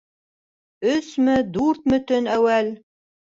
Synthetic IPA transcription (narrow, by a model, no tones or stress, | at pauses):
ɵsmɘd̪uɾt̪̚mɵ̆t̪ɵnæwæl